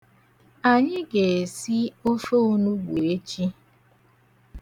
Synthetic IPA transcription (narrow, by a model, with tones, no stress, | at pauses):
a˨ɲɪ˦ɡe˨si˦o˦fo˦u˦nu˦ɡ͡bu˨e˦t͡ʃi˦